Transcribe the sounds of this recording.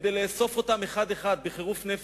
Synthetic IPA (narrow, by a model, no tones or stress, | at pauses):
d̪ejleːso̞fo̞t̪ame̞χad̪e̞χad̪̚beχeʁufnef